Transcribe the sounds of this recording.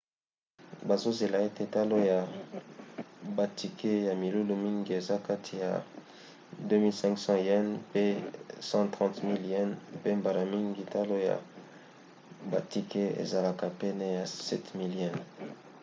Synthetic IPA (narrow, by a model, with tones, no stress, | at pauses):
ba˨zo˦ze˨la˨e˦te˦ta˦lo˦ja˨ | ba˨ti˨ke˦ja˨mi˨lu˦lu˨mi˦ŋɡi˨e˨za˦ka˦tʰi˨ja̰˨ | dø˦mi˦lsɛ̃˦ŋksɑ̃˦ɛ˦npe˦sɑ̃˦tʁɑ̃˦tmi˦ljɛ˦npe˦mba˨ɾa˨mi˦ŋɡi˨ta˦lo˦ja̰˨ | ba˨ti˨ke˦ḛ˨za˨la˨ka˨pɛ˦nɛ˦ja˨sɛ˦tmi˦ljɛ˦n